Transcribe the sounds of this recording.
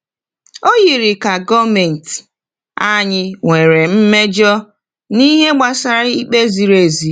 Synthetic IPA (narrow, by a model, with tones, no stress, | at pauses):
o˦ji˨ɾi˨ka˨ɡɔ˦me˨n̩˨t | a˦ɲɪ˦ŋʷe˨ɾe˨m̩˦me˦d͡ʒɔ˦ | ni˦ɦe˦ɡ͡ba˨sa˨ɾi˦k͡pe˦zi˨ɾe˨zi˨